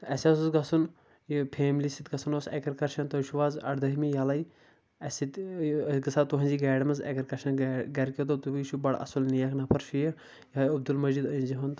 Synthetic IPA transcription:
ɐsɐsuzɡɐsun | jipʰeːmlisit̪ɡɐsunoːsɛ̰kɐɾkɐɾʃɐnt̪ɐʃʰuʋaːzɐ̰ɽd̪ɐɦimijaːlai | ɐsit̪ɡɐsaːt̪uɦɐnʲd͡ʒiːɡɛːɽɐmɐzɛ̰kɐɾkɐɾʃɐnɡɐɾkit̪ot̪ubiʃubɐɽɐ̰sulnijɐkʰnɐpʰɐɾʃʰijɐ | jɐɐb̚d̪ulmɐzid̪ɐinʲd͡ʒiɦɐnt̪

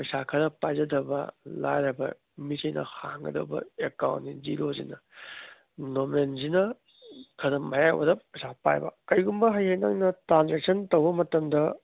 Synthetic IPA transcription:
pɐjsakʰɐɾɐpajzɐdɐbɐ̰la̰jɾɐbɐ̰ | misɐjnʔɐ̰ha̰ŋɡɐ̰dɐ̰bɐ̰ekawntːiziɾozḭnɐ | nomenzinɐ | kʰɐdɐmajajwɐ̰dɐp̚ɐjsapa̰jbɐ̰kɐjɡumbɐɦɐjhɐjna̰ŋnɐtɾanzek̚sʰɐntɐwbɐmɐtɐmdɐ

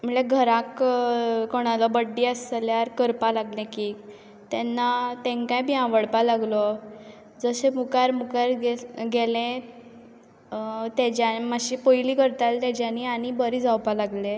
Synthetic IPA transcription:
m̤əɭeɡʱəɾãk | koɽ̃alɔbəɖːiəsljaɾkəɾpalaɡlẽkiː | t̪ɛnːat̪ẽŋkãjbiãʋəɽpalaɡlɔ | d͡zəsẽmukaɾmukaɾɡeɡɛlẽ | t̪ɛd͡ʑamaɕipojliːkəɾt̪alt̪ɛd͡ʑaniaɽ̃ibəɾiːd͡zawpalaɡle

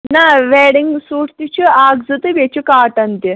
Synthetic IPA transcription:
naːʋeːɽiŋɡsuːʈt̪it͡ʃʰuaːɡzɨt̪ɨʋet͡ʃʰukaːʈɐnt̪i

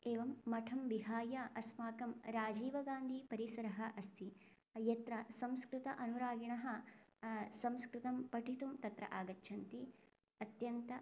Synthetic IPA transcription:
eːʋɐmːɐʈʰɐmʋiɦaːjɐʔɐsmaːkɐmɾaːd͡ʒiːʋɐɡaːnd̪ʱiːpɐɾisɐɾɐɦɐʔɐst̪ʰi | jɐt̪ɾɐsɐ̃mskɾut̪ɐʔɐnuɾaːɡiɳɐɦɐ̆ | sɐ̃mskɾut̪ɐmpɐʈʰit̪umt̪ɐt̪ɾɐ̰ʔaːɡɐtːʃʰɐnt̪i | ɐt̪jɐnt̪ɐ

